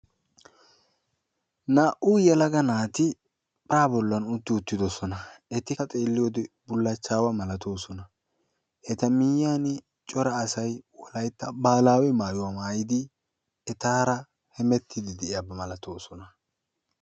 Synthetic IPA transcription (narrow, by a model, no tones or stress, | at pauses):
naːʔuːjɛlɐɡɐnaːt̪ɪ | pʼaːbɔlːɐnʊt̪ːɪʊt̪ːɪd̪ɔsɔnɐɛt̪ːɪkɐt̪ʼe̞ːlːɪjod̪ɪbʊlːɐt͡ʃːaːwɐmɐlɐt̪o̞ːsɔnɐ | ʔɛt̪ɐmɪjaːnɪ | t͡ʃʼɔɾɐːsɐjwɔlɐjt̪ːɐbaːlaːwɛmaːjʊwaːmaːjɪd̪ɪ | ɛt̪aːɾɐ | hɛmɛt̪ʰːɪd̪ɪd̪ɛʔɪjabːɐmɐlɐt̪o̞ːsɔnɐ